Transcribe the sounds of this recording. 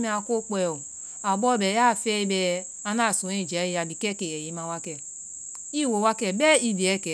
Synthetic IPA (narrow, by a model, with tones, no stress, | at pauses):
me˦a˨ko˦k͡pɛ˨o˨ | a˨bɔ˦bɛ˨ja˦˨fɛ˦i˦bɛ˨ | a˦na˦˨sũ˨˦i˦˨d͡ʒa˨˦i˦ja˨di˨kɛ˦kɛ˨ɛ˨ji˦ma˦wa˦kɛ˨ | i˦˨wo˨˦wa˦kɛ˨bɛ˦i˦di˨ɛ˦˨kɛ˨